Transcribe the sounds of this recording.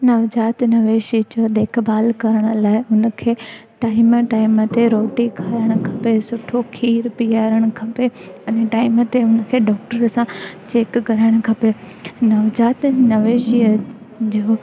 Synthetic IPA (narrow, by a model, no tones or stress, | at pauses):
nɐʋd͡ʒaːt̪nɐʋeːʃid͡ʑoːd̪eːkʰbaːlkɐɾəɽ̃ə̆laːɪʊnə̆kʰeːʈaːɪmʈaːɪmət̪eɾoːʈikʰaːɾəɽ̃kʰɐpesʊʈʰokʰiːɾpiaːɾəɽ̃kʰɐpeɐneʈaːɪmət̪eʊnəkʰeːɖɔːk̚ʈəɾsãt͡ɕeːkːɐɾaːɪɽ̃kʰɐpe | nɐʋd͡ʑaːt̪nɐʋeːʃiə | d͡ʑoː